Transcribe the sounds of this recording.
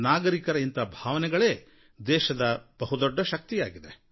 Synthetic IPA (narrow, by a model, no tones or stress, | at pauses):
naːɡɐɾikɐɾɐint̪ɐbʱaːʋɐnɛɡɐɭe̞ː | d̪ɛːʃɐd̪ɐb̥ɐɦud̪ɔɖːɐʃɐk̚t̪ijaːɡid̪e̞